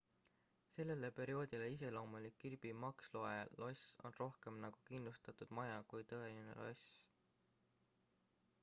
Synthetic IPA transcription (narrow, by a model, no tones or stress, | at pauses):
se̞lːe̞le̞pe̞ɾio̞ːd̪̥ʲileise̞lo̞ːmulikːirb̥imɑkslo̞elo̞so̞nro̞hke̞mnɑɡ̥ukind̪lust̪ɑt̪ud̪̥mɑjɑkujt̪ɤ̞e̞line̞̰lo̞s